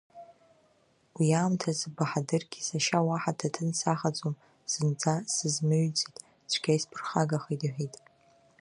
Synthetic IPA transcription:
wiaːmtʰazbaħadɨrɡʲisaʃawaħatʰatʰɨnsaχad͡zʼom | z̥ɨnd͡zʰʼasɨzmɨɥt͡sʼitʼ | t͡ʃʷʰɡʲajspʰɨrχaɡaχedħʷᶣitʼ

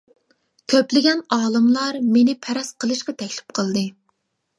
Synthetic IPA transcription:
kʲʰøplɪɡʲɛnɑːlˠɨmlˠɑɾmenɪpʰɛɾɑsqʰəlˠɨʃqɑt̪ʰɛkʲlɪ̥p̚qʰəlˠd̪ɨ

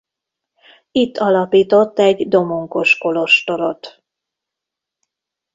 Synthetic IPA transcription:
it̪ːɒlɒpiːt̪o̞t̪ːɛɟd̪o̞moŋko̞ʃko̞lo̞ʃt̪o̞lot̪

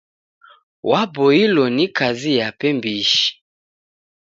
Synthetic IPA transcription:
wabɔilɔnikazijapɛmbiʃi̥

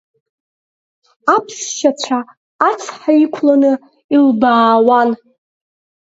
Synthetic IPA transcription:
apʰʂʃat͡ɕʷʰaː | t͡sʰħaikʷʰlanɨ | ilbaːwan

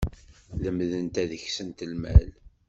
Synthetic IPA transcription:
ləmðənt̪æðəçsənt̪əlmæ̰l

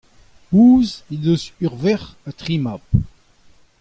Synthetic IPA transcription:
uːzedøzyʁvɛʁat̪ʁimap

